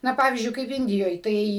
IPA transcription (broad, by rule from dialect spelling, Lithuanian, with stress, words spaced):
ˈnɐ ˈpɑːʋʲiːzʲd͡ʒʲʊɪ ˈkɐɪp ˈɪnʲdʲɪjoːj ˈtɐɪ